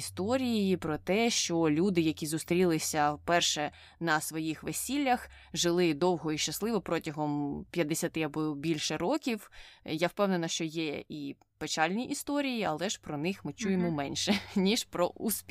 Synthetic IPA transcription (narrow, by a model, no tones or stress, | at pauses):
st̪ɔɾʲijijipɾɔt̪ɛʃt͡ʃɔlʲud̪ɪjɐkʲizʊst̪ɾʲilˠɪsʲɐpɛrʃɛ | nɐsʋɔjixʋesʲilʲːɐx | ʒɪlˠɪd̪ɔwɦɔiʃt͡ʃɐslˠɪʋɔpɾɔtʲɐɦɔmpʲjɐd̪esʲɐt̪ɪɐbɔbʲilʲʃɛɾɔkʲiwjawpɛwnenɐʃt͡ʃɔjɛi | pet͡ʃalʲnʲiʔist̪ɔɾʲijiɐlˠɛʃpɾɔnɪxmɪt͡ʃujemɔmɛnʲʃɛnʲiʃpɾɔ̰ʔuspʲ